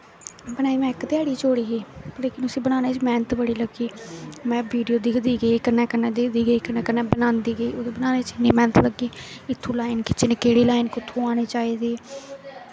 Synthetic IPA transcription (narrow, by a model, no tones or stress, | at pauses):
bənaːiːmɛ̃ːɪkt̪ɪaːɽiːt͡ʃoːɽiːɦeːleːkɪnʊsĩːbənaːneːt͡ʃmɛ̃ːnət̪bəɽiːləɡiːmɛ̃ːbiːɖijoːd̪iːɡd̪iːɡeikəɾnɛːkəɾneːd̪ed̪iːɡəiːkəɾnɛːkənɛːbənãːnd̪iːɡəiːoːd̪eːbənaːneːt͡ʃneːmɛːnət̪ləɡːiːɪt̪ʰːũːlaːɪnkɪt͡ʃnɪkeːɽiːlaːɪnkʊt̪ʰːũːaːneːt͡ʃaːiːd̪eː